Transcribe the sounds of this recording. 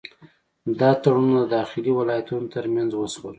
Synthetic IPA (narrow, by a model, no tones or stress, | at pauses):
d̪ɑt̪aɽunod̪əd̪ɑxɪliwɪlɑjat̪unot̪əɾmjanzwəswəl